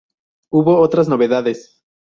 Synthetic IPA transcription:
uβo̞ot̪ɾaznoβe̞ðaðes

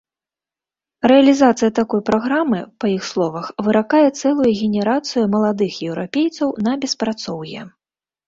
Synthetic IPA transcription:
rɛɐlʲizat̪sɨjɐt̪akɔjpɾaɣɾamɨpɐjixslˠɔvɐxvɨɾakajɛt̪sɛlˠujuɣʲɛnʲɛɾat̪sɨjumɐlˠad̪ɨxjɛwɾapʲejt̪sɐwnɐbʲɛspɾat̪sɔwjɛ̰

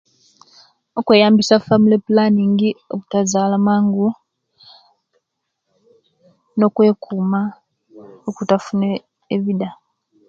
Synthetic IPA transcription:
okwe̞ːjaːmbisafamulepulaniːŋɡio̰βutazaːlamaːŋɡu | no̞kwe̞ːkʰuːma | okutafune | eβida

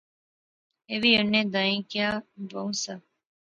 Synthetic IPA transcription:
eʋionːed̪ɐiŋkiaːd̪oŋsɐ

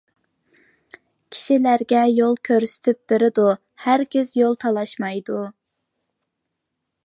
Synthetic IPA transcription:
kʲʰi̥ʃilæɾɡʲɛjolˠkʲʰøɾsɪ̥t̪ʰyp̚b̥ɪɾɪd̪u | hæɾɡʲɪzjolˠt̪ʰɑlˠɑʃmɑjd̪u

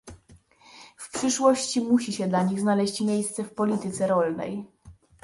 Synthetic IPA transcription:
fpʂɘʂwɔɕt͡ɕimuɕiɕɛd̪laɲiɣznalɛɕt͡ɕmʲjejst̪sɛfpɔlʲit̪ɘt̪sɛɾɔlnɛ̰j

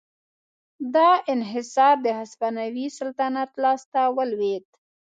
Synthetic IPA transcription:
d̪ɑɪnɦɪsɑɾd̪əhaspanawisʊlt̪anat̪lɑst̪awəlwet̪

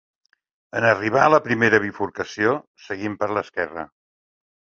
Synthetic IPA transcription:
ənəriβ̞aləpɾimeɾəβ̞ifuɾkəsiosəɣimpəɾləskɛrə̰

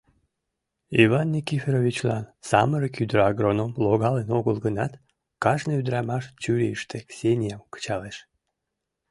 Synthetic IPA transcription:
iβɑnːʲikʲifʲeɾovʲit͡ɕlɑ̰nsɑməɾəkyd̪ɾɑɡɾonomloɣɑlenoɣəlɡənɑt̪ | kɑʃnəyd̪ɾɑmɑʃt͡ɕyɾʲeiʃt̪eksʲenʲijɑmkə̥t͡ɕɑleʃ

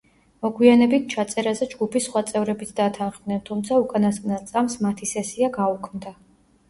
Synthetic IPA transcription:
mɔɡwianɛbit̪̚ʰt͡ʃʰat̪sʼɛɾazɛd͡ʒɡupʰisχwat̪sʼɛvɾɛbit̪ʰd̪at̪ʰanχmnɛnt̪ʰumt̪sʰaukʼanasknat̪sʼamsmat̪ʰisɛsiaɡaukʰmd̪a

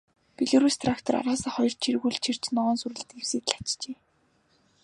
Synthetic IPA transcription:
piɮoɾust̪ʰrakt̪ʰɔɾa̰ɾaːsăːχɔjɞr̥t͡ɕʰirɣuːɮt͡ɕʰir̥t͡ɕnɔɔːnsuɾɘ̆ɮt̪ɡew̥seːt̪ɮḁt͡ɕt͡ɕeː

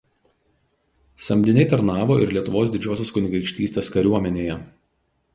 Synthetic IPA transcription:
sɐmʲd̪ʲɪnʲɛɪt̪ɐɾnɑːʋoːʔɪɾlʲiɛt̪ʊʋoːs̬d̪ʲɪd͡ʒʲoːsʲoːskʊnʲɪɡɐɾɪkʃʲt̪ʲiːsʲt̪ʲeːskɐɾʲuɔmʲɛnʲeːjɛ

